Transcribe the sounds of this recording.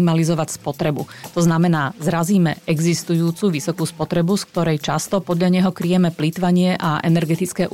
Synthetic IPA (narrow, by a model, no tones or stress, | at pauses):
malizɔʋacspɔt̪ɾɛbṵt̪ɔznamɛnaːzɾaziːmɛ̰ɛɡzist̪ujuːt͡suʋisɔkuːspɔt̪ɾɛbusk̚t̪ɔɾɛjt͡ʃast̪ɔpɔd̪ʎaɲɛɦɔkɾijɛmɛplit̪ʋaɲɪɛʔaʔɛnɛɾɡɛt̪it͡skɛːʔ